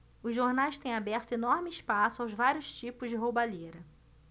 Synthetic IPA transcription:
ʊzʒoɾnajʃt̪ẽj̃abɛɾt̪ʊenɔɾmɪɪʃpasʊawzvaɾjʊʃt͡ʃipʊzd͡ʒɪɦowbaʎeɾɐ

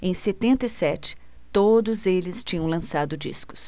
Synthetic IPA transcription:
ẽj̃set̪ẽnt̪ɐisɛt͡ʃɪ̥ | t̪od̪ʊzelɪst͡ʃĩɲɐ̃w̃lɐ̃sad̪ʊd͡ʒḭskʊ̥s

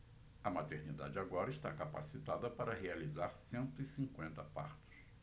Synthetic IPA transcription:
ɐmat̪eɾnid̪a̰d͡ʒɪaɡɔɾɐɪst̪akapasit̪ad̪ɐpaɾɐɦealizaɾsẽnt̪ʊisĩŋkwẽnt̪ɐpa̰ɾt̪ʊ̥s

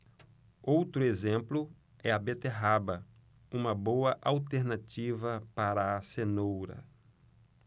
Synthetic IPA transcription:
owt̪ɾʊezẽmplʊ | ɛɐbet̪eɦabɐ | ũmɐbowɐʔawt̪eɾnat͡ʃivɐpaɾɐːsenowɾɐ̰

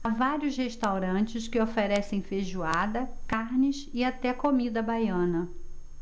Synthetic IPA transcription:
avaɾjʊsheʃt̪awɾɐ̃t͡ʃɪskɪofeɾɛsẽj̃feʒuad̪ɐkaɾnɪsɪat̪ɛkomid̪ɐbajɐ̃nɐ

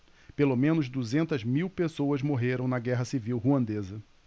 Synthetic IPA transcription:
pelomẽnʊzd̪uzẽnt̪ɐzmiwpesowɐzmoɦeɾɐ̃w̃nɐɡɛɦɐsiviwɦuɐ̃nd̪ezɐ

